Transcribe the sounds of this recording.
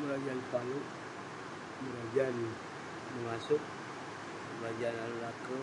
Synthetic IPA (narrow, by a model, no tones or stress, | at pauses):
məɾad͡ʒanpalu | məɾad͡ʒan | məŋasʊk̚ | məbad͡ʒanallakə